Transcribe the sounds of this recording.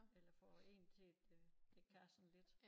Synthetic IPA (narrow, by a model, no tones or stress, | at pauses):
elɐfɒe̝̰ːnt͡sʰe̝d̥e̥kʰæsɔn̩le̝d̥